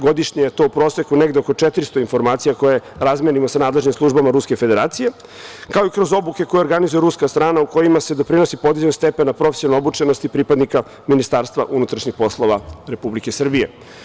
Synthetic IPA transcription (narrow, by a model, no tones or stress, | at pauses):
ɡo̞d̪iʂɲejet̪o̞ːupɾo̞ːsekuneɡd̪eo̞ko̞t͡ʂet̪ɾist̪o̞info̞ɾmaːt̪sijako̞je̞ɾazmenimo̞sanaːd̪leʒnimslˠuʒbamaɾuske̞fe̞d̪e̞ɾa̰ːt̪sije̞ | kao̞ikɾo̞zo̞buke̞ko̞jeoɾɡanizujeɾuskast̪ɾaːnauko̞jimase̞d̪o̞pɾino̞sipo̞d̪izd͡ʑenost̪epenapɾofesiono̞but͡ʃenost̪ipɾipad̪nika | minist̪aːɾst̪ʋa̰ʔunut̪ɾaʃɲixpo̞slˠo̞ʋaɾe̞publike̞sr̩bije̞̰